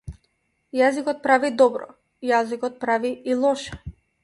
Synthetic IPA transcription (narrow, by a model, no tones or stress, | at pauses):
jazikɔt̪̚pɾavid̪ɔbɾɔ̰ | jazikɔt̪̚pɾaviilˠɔʃɛ̥